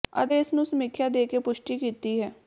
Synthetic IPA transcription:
ə̰d̪eːɪsnũːsəmɪkʰːjaːd̪eːkepʊʃʈiːkiːt̪iːɦɛː

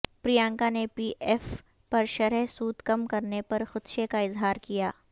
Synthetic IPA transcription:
pɾijãːŋkanepiːʔeːf | pɐɾʃɐɾəɦsuːd̪kɐmkɐɾnepɐɾxʊt̪ʃekaɪzɦaːɾkija̰ː

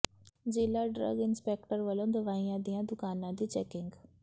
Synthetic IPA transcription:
d͡ʒɪːlaːɖɾə̰ɡɪnspɛːkʈəɾʋəlõːd̪əʋaːijãːd̪ijãːd̪ʊkaːnãːd̪iːt͡ʃɛːkɪŋɡ

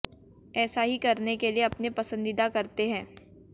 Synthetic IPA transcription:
ɛːsaɦikɐɾnekelieɐpnepɐsə̃nd̪id̪akɐɾt̪eɦɛ̃ː

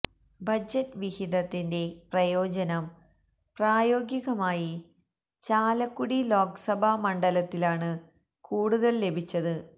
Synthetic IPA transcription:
bɐd͡ʑɐtːʋihid̪ɐt̪ːinde̞prɐjo̞ːd͡ʑɐnɐm | praːjo̞ːɡiɣɐmaːji | t͡ɕaːlɐkːuɽilo̞ːksɐbʱɐmɐɳɖɐlɐt̪ːilaːɳɨ | kuːɽuðɐlːe̞bʱit͡ɕːɐðɨ

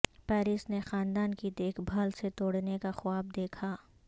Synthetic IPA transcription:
pɛːɾɪsnexaːnd̪aːnkid̪eːkʰbʱaːlset̪oːɽnekaxʊaːb̚d̪eːkʰaː

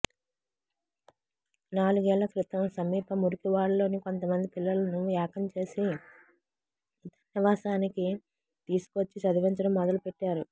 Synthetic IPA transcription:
naːluɡɛːɭːɐkɾit̪ɐmsɐmiːpɐmuɾukiʋaːɭɐlo̞ːniko̞nt̪ɐmɐnd̪ipilːɐlɐnuuaːkɐmt͡ʃe̞ːsi | t̪ɐ̥nniʋaːsaːniki | t̪iːsu̥kʋɐt͡ʃːisɐd̪iʋɐɲt͡ʃɐɽɐmːɔd̪ɐlupeʈːaːɾu

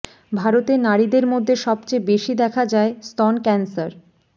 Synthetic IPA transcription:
bʱaɾot̪enaɾid̪eɾmod̪ʱːeʃɔbt͡ɕebeʃid̪ɛkʰad͡ʑaest̪ɔnkɛnsaɾ

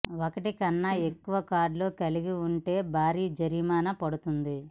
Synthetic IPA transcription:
okɐʈikɐnːɐekːuʋɐkaːɖlo̞ːkɐliɡiuɳʈe̞ːbʱaːɾiːd͡ʒɐɾimaːnɐpɐɽut̪und̪i

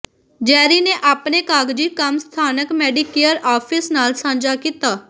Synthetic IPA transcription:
d͡ʒɛːɾiːneʔaːpnekaːɡd͡ʒiːkəmst̪ʰaːnəkmɛːɖɪkeəɾaːpʰɪsnaːlsãːnd͡ʒaːkiːt̪aː

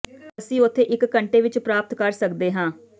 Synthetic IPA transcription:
əsĩːʊt̪ʰːeːʔɪkːəɳʈeːʋɪt͡ʃpɾaːp̚t̪kəɾsəkd̪eːɦãː

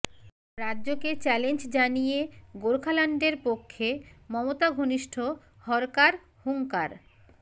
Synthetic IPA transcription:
ɾadːʑoket͡ɕɛlend͡ʑd͡ʑanijeɡoɾkʰalaɳɖeɾpokʰːemɔmot̪aɡʱoniʃʈʰo | hɔɾkaɾ | huŋkaɾ

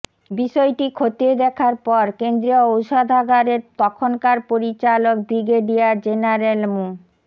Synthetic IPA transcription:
biʃɔjʈikʰot̪ied̪ɛkʰaɾpɔɾkend̪ɾioowʃad̪ʱaɡaɾeɾt̪ɔkʰonkaɾpoɾit͡ɕalok̚bɾiɡeɖiad͡ʑenaɾelmu

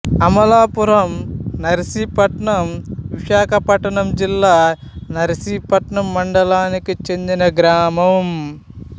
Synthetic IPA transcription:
ɐmɐlaːpuɾɐmnɐɾɐsipɐʈɳɐmʋiʂaːkʰɐpɐʈɐɳɐmd͡ʒilːaː | nɐɾɐsiːpɐʈɳɐmːɐɳɖɐlaːnikit͡ʃend̪inɐɡɾaːmɐʋum

